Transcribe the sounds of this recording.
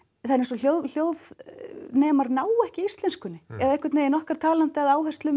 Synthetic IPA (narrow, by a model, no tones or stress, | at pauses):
θanːɪsɔljowl̥joːwðnɛːmaɾnaːwɛhcɪist̪lɛnskʏnːɪɛðaɛhkɪɾt̪neːjɪnɔhkaɾ̥t̪ʰaːlant̪ɪaðaːwhɛst̪lʏm